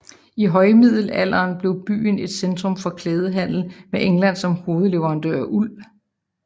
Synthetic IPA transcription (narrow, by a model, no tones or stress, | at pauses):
iɦɒ̽ɪmið̞̰ˠl̩æl̰ɐːnb̥le̝ʊb̥y̰ːne̝d̥send̥ʁɔ̽mfɒ̽kʰleːð̞ˠəɦæn̰l̩meʔeŋlæn̰sɒ̽mho̝ːð̞̩ˠle̝ʋɐʁɑ̈nd̥øɐ̰ʔul̰